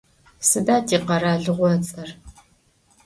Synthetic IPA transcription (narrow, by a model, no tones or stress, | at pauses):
sɨdaːtʰiːqɐɾaːɮɨʁʷɔt͡sʼɐr